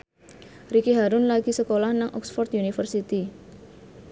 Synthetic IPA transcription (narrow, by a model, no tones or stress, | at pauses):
rikiɦaɾʊnlaɡisəkolahnaŋʔɔ̰ksfɔrt̪junifərsit̪i